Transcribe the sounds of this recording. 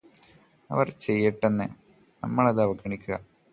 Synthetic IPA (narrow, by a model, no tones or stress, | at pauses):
ɐ̰ʋɐrt͡ɕe̞jːiʈːenːɨ | nɐ̰mːɐɭɐðɨɐʋɐɡʱɐɳikʲːuɣɐ